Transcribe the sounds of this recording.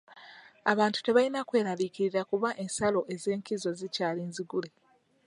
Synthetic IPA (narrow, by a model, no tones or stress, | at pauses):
aβaːntu̥te̞βainakwe̞ːɾaliciɾiɾakuβaʔe̞nsalo̞ʔe̞ze̞ːŋkizo̞zicaːliːnziɡule̞